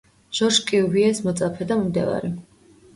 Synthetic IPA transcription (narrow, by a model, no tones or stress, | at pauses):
ʒ̥ɔɾʃkʼiuviɛsmɔt̪sʼapʰɛd̪ammd̪ɛ̰va̰ɾi